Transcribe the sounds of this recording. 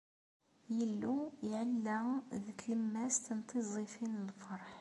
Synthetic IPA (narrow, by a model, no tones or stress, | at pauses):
jəlːujʕalːæðəkləmːæst̪ənt̪ʰˤɨzˤifinəlfɑɾˤħ